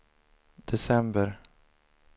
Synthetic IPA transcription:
d̪̥ɛsɛmbəɾ

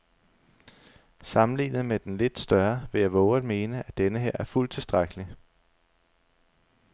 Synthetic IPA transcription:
sɑ̈mn̩lḭːnð̩ˠmed̥enle̝d̥sd̥ɶɐʋe̝jɑ̈ɪʋɒʊɐdˠme̝ːnəʔæd̥enəɦeɐ̰ʔæɐful̰t͡sʰe̝lsd̥ʁaɡ̥əli

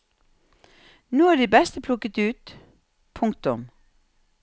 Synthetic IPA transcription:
nuːæːɖiːbɛst̪əpʰlʊkət̪ʉːt̪ | pʰʊŋ̚t̪ʊm

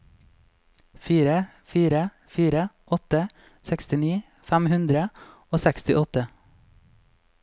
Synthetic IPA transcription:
fiːɾə | fiːɾə | fiːɾəʔɔt̪ə | sɛkst̪ɪniː | fæmhʉnd̪ɾə | oːsɛkst̪ɪʔɔt̪ə

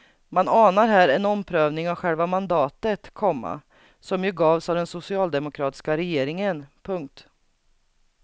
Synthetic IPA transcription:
manɑːnaɾɦæːɾɛnɔmpʰɾøːvnɪŋavɧɛlvamand̪ɑːt̪ət̪kʰɔmːa̰ | sɔmjɵɡɑːvsavd̪ɛnsʊsɪɑːld̪ɛmʊkʰɾɑːt̪ɪ̥skaɾɛjeːɾɪŋənpʰɵŋk̚t̪

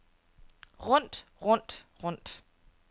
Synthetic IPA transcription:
ʁɔn̰d̥ʁɔn̰d̥ʁɔn̰d̥

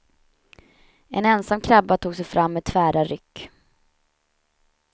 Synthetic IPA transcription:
ɛnɛnsamkʰɾabːat̪ʰuːɡsɛjfɾʔamːɛt̪ʰːvæːɾaɾʏkː

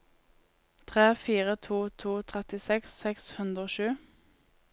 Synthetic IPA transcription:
t̪ʰʁeːfiːʁət̪ʰuːt̪ʰuːt̪ʰʁɛt̪ɪsɛksɛkshʉnd̪ʁoːʃʉː

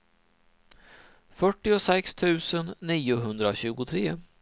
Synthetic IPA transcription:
fœʈːɪɔsɛkst̪ʰʉ̟ːsənːiːʊɦɵnd̪ɾaɕʉ̟ːɡʊt̪ʰɾeː

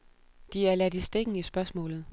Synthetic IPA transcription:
d̥iæɐlæd̥isd̥eɡ̥n̩isb̥ɶɐsmɔ̰̽ːlð̞̩ˠ

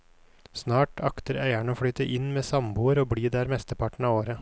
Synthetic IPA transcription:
snɑːʈɑkt̪əɾæɪæɳəoːfɽyːt̪əʔɪnmeːsɑmbuːəɾoːbliːd̪ɛæːɾmɛst̪əpʰɑʈɳ̩ɑːʋoːɾə

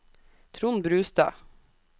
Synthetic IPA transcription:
t̪ʰɾʊnbɾʉːst̪ɑ̰

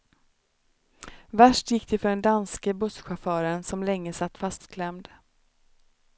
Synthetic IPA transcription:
væʂʈjɪkːd̪ɪfœɖɛnd̪anskəbɵsɧafœːɾənsɔmlɛŋːəsat̪ːfast̪kʰlɛmd̪

